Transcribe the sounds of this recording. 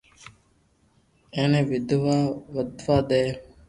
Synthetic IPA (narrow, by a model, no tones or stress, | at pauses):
ẽːnẽːʋɪd̪ʋaːʋəd̪ʱʋaːd̪eː